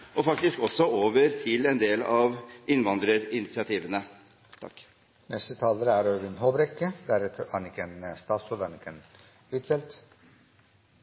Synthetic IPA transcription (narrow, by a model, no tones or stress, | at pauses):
ʔɔfɑk̚t̪ɪskɔsːɔoːʋəɾt̪ʰɪlɛnd̪eːlɑʋʔɪnʋɑnd̪ɾəɾɪnɪt̪sɪɑt̪ʰiːʋənə | t̪ʰɑ̰kː | nɛst̪ət̪ʰɑːləɾəæɾøːʋɪnhoːbɾɛkːəd̪æɾɛt̪ʰəhænɪkːəenst̪ɑːsɔd̪ænɪkːen | ʉːt̪fɛlt̪